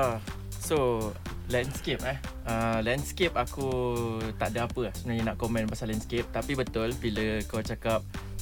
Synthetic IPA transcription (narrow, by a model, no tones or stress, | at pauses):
a | solɛnskep̚ah | əlɛ̃nskep̚akut̪aʔdaapəahsəbənaɲənaʔkomɛ̃npasalɛnskep̚t̪apibət̪ʊlbiləkawt͡ʃakap̚